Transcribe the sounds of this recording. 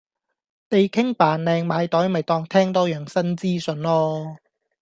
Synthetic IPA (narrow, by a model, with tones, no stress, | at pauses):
t̪e˨˧jkʰɪ˥ŋpaː˨nlɛː˨˧ŋmaː˨˧jt̪ɔː˨˥jmɐ˨˩jt̪ɔː˧ŋt̪ʰɛː˥ŋt̪ɔː˥jœː˨ŋsɐ˥nt͡siː˥sɵ˨˧nlɔː˥